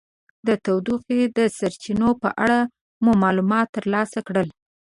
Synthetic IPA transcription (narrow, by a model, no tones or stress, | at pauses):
d̪ət̪awd̪uxed̪əsaɾt͡ʃinopə̰ʔaɽa | mumɑlumɑt̪ːəɾlɑsakɽəl